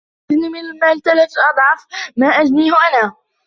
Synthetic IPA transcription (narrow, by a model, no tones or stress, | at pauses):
nimɪnɪlmaːlt̪alat̪ʔɑd̪ˤʕɑfmaːʔad͡ʒniːhʊʔanaː